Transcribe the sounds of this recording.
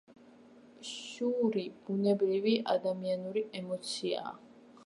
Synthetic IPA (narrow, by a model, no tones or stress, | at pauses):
ʃuɾib̥unɛbɾivia̰d̪amianuɾiɛmɔt̪sʰia̰